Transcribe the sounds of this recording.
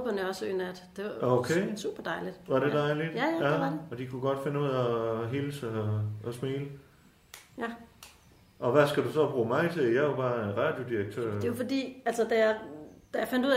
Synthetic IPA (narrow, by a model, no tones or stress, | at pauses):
b̥ɐnɒ̽sø̰ːnæd̥d̥e̝okʰeːsṵːb̥ɐd̥ɑ̈ɪlid̥ʋɑ̈ɾed̥ɑ̈ɪlid̥jæjææɒd̥ikʰuɡ̥ɒ̽d̥fe̝nəuð̰ˠɒɦeləsæɒsmiːlə | jæ | ʔɒ̽ʋæsɡ̥æd̥usɒ̽b̥ʁuːmɑ̈ɪt͡sʰe̝ljɑɪɑb̥ɑ̈ːenʁɑ̈ːd̥jo̝d̥iʁɐɡ̥̚t͡sʰø̰ɐ̰̥e̝jofɒd̥ḭːælsɐd̥æjæd̥æjafænd̥uð̰ˠ